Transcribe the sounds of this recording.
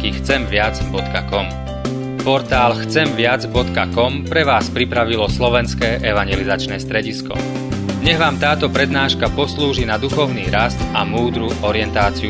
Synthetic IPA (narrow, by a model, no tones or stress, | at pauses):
kixt͡sɛmʋɪad͡zbɔt̪kakɔm | pɔɾt̪aːlxt͡sɛmʋɪad͡zbɔt̪ka̰kɔmpɾɛʋaːspɾipɾaʋilɔslɔʋɛnskɛːʔɛʋaɲɛlizat͡ʃnɛːst̪ɾɛɟiskɔ̰ | ɲɛɣʋaːmt̪aːt̪ɔpɾɛd̪naːʃkapɔsluːʒinad̪uxɔʊniːɾast̪amuːd̪ɾuʔɔɾɪɛnt̪aːt͡siu